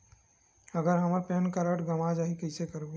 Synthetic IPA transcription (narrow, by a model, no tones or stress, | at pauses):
əɡəɾɦəməɾpeːnkəɾəʈɡəmad͡ʒaɦĩkəɪsekəɾɡu